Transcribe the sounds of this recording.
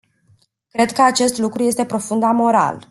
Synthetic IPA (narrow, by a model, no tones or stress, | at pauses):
kɾe̞d̪kəat͡ʃe̞st̪lukɾuje̞st̪e̞pɾo̞fund̪amo̞ɾa̰l